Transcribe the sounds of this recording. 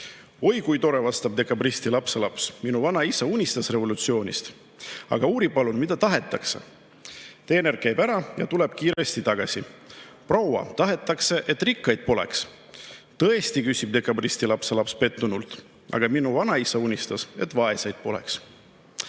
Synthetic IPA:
o̞jkujt̪o̞ɾe̞vɑst̪ɑb̚d̪e̞kːˑɑbrist̪ilɑpse̞lɑpsminuvɑnɑisɑunʲist̪ɑsre̞vo̞lut̪sio̞ːnʲḭst̪ | ɑ̰ɡ̥ɑuːɾipɑlunmid̪̥ɑt̪ɑɦe̞t̪ːˑɑksḛ | t̪e̞ːne̞rkæjbæɾɑjɑt̪ule̞b̥̚kiːɾe̞st̪it̪ɑɡ̥ɑsiprɑwɑ̰t̪ɑɦe̞t̪ːˑɑkse̞ʔet̪ːˑrikːɑjd̪̥̚po̞le̞̰ks | t̪ɤ̞e̞st̪ikysʲib̥̚d̪e̞kːˑɑbrist̪ilɑpselɑpspe̞t̪ːunult̪ | ʔɑ̰ɡ̥ɑminuvɑnɑisɑunʲist̪ɑse̞t̪ˑvɑe̞sɑjd̪̥̚po̞le̞̰ks

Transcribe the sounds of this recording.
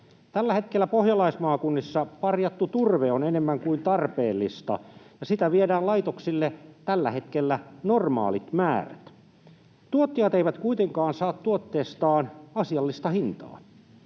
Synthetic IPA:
t̪ælːæhe̞t̪kelːæpohjɑlɑismɑːkunːisːɑpɑrjɑt̪ːut̪urʋeonenemːæŋkuint̪ɑrpeːlːist̪ɑ̰jɑsit̪æʋiedæːllɑjt̪oksilːet̪ælːæhe̞t̪k̟elːænormɑ̰ːlit̪mæːræ̰t̪ | t̪uot̪ːiɑt̪eijʋæt̪kuit̪eŋkɑːnsɑːt̪ːuot̪ːeːst̪ɑːnɑsiɑlːist̪ɑhint̪ɑ̰ː

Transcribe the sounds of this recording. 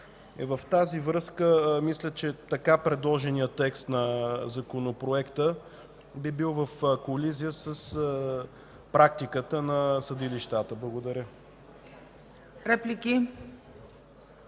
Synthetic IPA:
ɛvəft̪azivɾɤskəmislʲət͡ʃɛt̪ɐkapɾɛd̪lˠɔʒɛnijət̪ːɛkst̪nɐzɐkonopɾoɛkt̪ə | bibilˠvəfkolizijəsəs | pɾak̚t̪ikət̪ənɐsɐd̪iliʃt̪at̪əblˠəɡod̪ɐɾʲjə | ɾɛplʲiki

